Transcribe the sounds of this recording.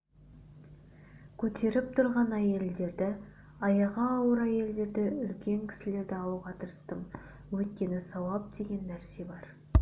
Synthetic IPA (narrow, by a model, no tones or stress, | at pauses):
kʲʰɵt̪ʰe̞ɾɪp̚t̪ʰʊɾʁɑnæje̞ld̪e̞ɾd̪ɪ | ɑjɑʁɑːwəɾæje̞ld̪e̞ɾd̪ɪʏlkʲe̞ŋkʲʰɪ̥sɪle̞ɾd̪ɪɑw̪ˠuʁɑt̪ʰəɾəst̪əm | wɵt̪̚kʲe̞nɪsɑwɑp̚d̪e̞ɡʲe̞nːæɾse̞bɑɾ